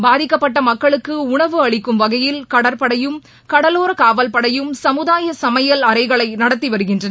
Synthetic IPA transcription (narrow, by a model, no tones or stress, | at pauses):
baːðɪkːɐpːɐʈːɐmɐkːɐɭɯkːɯʊɳɐʋɯɐɭɪkːɯmʋɐɣɐjɪlkɐɽɐɾpɐɽɐjɯm | kɐɽɐloːɾɐkaːʋɐlpɐɽɐjɯmsɐmɯðaːjɐsɐmɐjɐlɐɾɐɪɣɐɭɐɪnɐɽɐt̪ːiʋɐɾɯɣɪndrɐn